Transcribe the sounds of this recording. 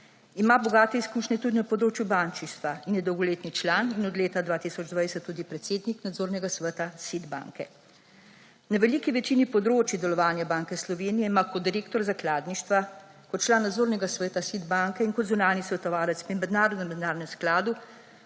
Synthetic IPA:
imabɔɡaːt̪ɛiskuːʃnɛt̪ud̪inapɔd̪ɾoːt͡ʃjubaːnt͡ʃiʃt̪ʋainjɛd̪ɔwɡɔleːt̪nit͡ʃlaːninɔd̪leːt̪ad̪ʋaːt̪isɔd͡ʒd̪ʋajsɛt̪ːuːd̪ipɾɛt̪seːd̪niknad̪zoːɾnɛɡasʋət̪asid̪ba̰ːŋkɛ | naʋɛliːkiʋɛt͡ʃiːnipɔd̪ɾoːt͡ʃid̪ɛlɔʋaːnjabaːŋkɛslɔʋeːnijɛimakɔt̪d̪iɾeːkt̪ɔɾzaklaːd̪niʃt̪ʋa | kɔt̪̚t͡ʃlaːnːad̪zoːɾnɛɡasʋɛːt̪asid̪baːŋkɛinkɔd̪zunaːnisʋɛt̪ɔʋaːlɛt̪spimɛd̪naːɾɔd̪nɛmɛd̪naːɾɔnɛmsklaːd̪u

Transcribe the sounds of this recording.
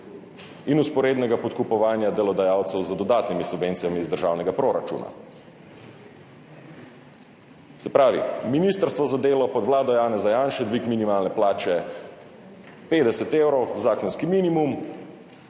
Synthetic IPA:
inuspɔɾeːd̪nɛɡapɔt̪kupɔʋaːnjad̪ɛlɔd̪ajaːwt̪sɛwzəd̪ɔd̪aːt̪nimisubveːnt̪sijamiːzd̪əɾʒaːwnɛɡapɾoɾat͡ʃṵːna̰ | sɛpɾaːʋḭminist̪əɾst̪ʋɔzad̪eːlɔpɔd̪ʋlaːd̪ɔjaːnɛzajaːnʃɛd̪ʋikminimaːlnɛplaːt͡ʃɛ | peːd̪ɛsɛt̪ewɾɔwzaːkɔnskiminimum

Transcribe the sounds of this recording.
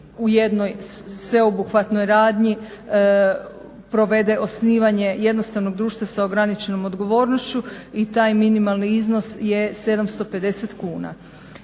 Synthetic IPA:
uje̞d̪nojsʋe̞obuxʋat̪no̞jɾaːd̪ɲi | pɾo̞ʋe̞d̪e̞ʔo̞sniːʋaɲeje̞d̪no̞st̪aʋno̞ɡ̚d̪ɾuːʃt̪ʋasaoɡɾanit͡ʃe̞no̞mo̞d̪ɡo̞ʋo̞ːɾnost͡ɕuit̪aːjminimalˠniizno̞sje̞se̞d̪amst̪o̞pe̞d̪e̞set̪kuːna̰

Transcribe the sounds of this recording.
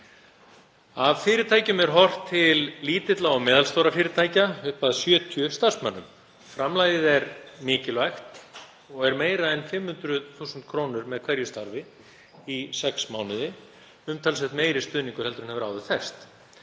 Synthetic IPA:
avfɪːɾɪt̪ʰaːjcʏmɛɾ̥ɦɔr̥t̪ʰːɪlliːt̪ɪt̪laɔɣmɛːðalst̪owɾafɪːɾɪt̪ʰaːjcaʏhpaðsjœːt̪ʰjʏst̪aɾ̥smanːʏ̰m | fɾamlaːjɪðɛɾmɪːcɪlvajxt̪ | ɔɣɛɾmeːjɾaðɛnfɪmhʏnt̪ɾʏðθuːsʏnt̪̚kʰɾownʏɾmɛðkʰvɛɾjʏst̪aɾvɪ | isɛksmaːwnɪðɪ | ʏmt̪ʰalsɛht̪meːjɾɪst̪ʏːðniŋkʏɾ̥hɛlt̪ɾʏnhɛvʏɾaːwðʏθɛr̥st̪

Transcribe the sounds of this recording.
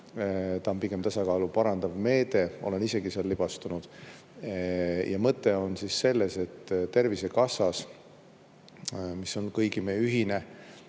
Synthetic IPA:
t̪ɑmpike̞mt̪ɑsɑkɑːlupɑɾɑnd̪̥ɑvme̞ːt̪e̞o̞̰le̞nise̞ɡisɑlːib̥ɑst̪unud̪̥ | jʔɑmɤt̪ːˑe̞o̞nsisːe̞lːe̞se̞t̪ːt̪ːe̞rvise̞kɑsɑs | miso̞nkɤjɡimeyɦine̞

